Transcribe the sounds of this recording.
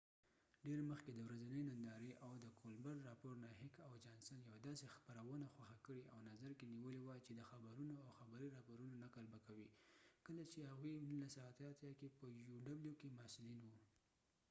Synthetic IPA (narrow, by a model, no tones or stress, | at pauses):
ɖeɾməxked̪əwɾazanəjnand̪ɑɾeʔawd̪əkʰolbaɾːɑpoɾnahɪkawd͡ʒɑnsanjawad̪ɑsexpaɾawənaxwaxakəɽeawnazaɾkeniwəlewat͡ʃed̪əxabaɾunoawxabaɾiɾɑpoɾunonakalbakawikəlat͡ʃehaɣwinunlasat̪ɑt̪jɑkepəjuɖabljukemasulinwu